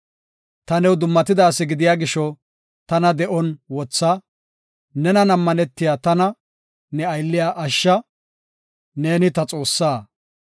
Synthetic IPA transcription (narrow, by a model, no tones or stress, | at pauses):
t̪ɐnɛwd̪ʊmːɐt̪ɪd̪aːsːɪɡɪd̪ɪjaːɡɪʃɔ | t̪ɐnɐd̪ɛʔɔnwɔt͡sːɐ | nɛnɐnɐmːɐnɛt̪ːɪjaːt̪ɐnɐ | nɛɐjlːɪjaːʔɐʃːɐ | ne̞ːnɪt̪ɐt͡sʼo̞ːsːaː